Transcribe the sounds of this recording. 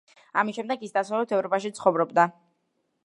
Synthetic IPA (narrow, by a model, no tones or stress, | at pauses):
amisʃɛmd̪ɛkisd̪asavlɛt̪ʰɛvɾɔpʼaʃit̪sʰχɔvɾɔbd̪a